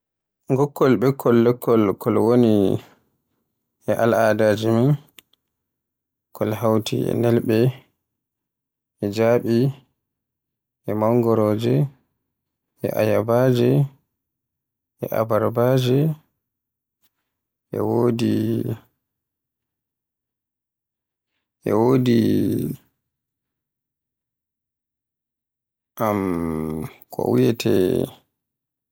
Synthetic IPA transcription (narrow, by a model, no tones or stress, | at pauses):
ŋɡɔkʰːɔlɓɛkʰːɔlːɛkʰːɔlkʰɔlwoni | ʔɛʔalaːdad͡ʒimin | kʰɔlhawtʰḭɛ̰nɛlɓɛ | ʔɛd͡ʒaːɓi | ʔɛmawŋɡɔɾɔːd͡ʒɛ | ɛ̰ʔa̰jabad͡ʒɛ | ʔɛʔa̰baɾbad͡ʒɛ | ʔɛ̰woːdi | ʔɛ̰woːdi | ʔam | kʰɔ̰wijɛtʰɛ̰